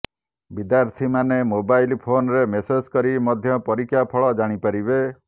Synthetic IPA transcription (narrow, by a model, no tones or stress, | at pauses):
bid̪jaɾt̪ʰimanemobajlpʰonɾemesed͡ʒkɔɾimɔd̪ʱjɔpɔɾikʰjapʰɔɭɔd͡ʒaɽ̃ipaɾibe